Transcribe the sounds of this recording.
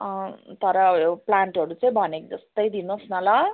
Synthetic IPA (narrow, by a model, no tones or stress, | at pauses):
t̪ʌɾʌjoplaɳʈʌɾut͡saĩbʱʌnekd͡zʌst̪ʌjd̪inosnʌla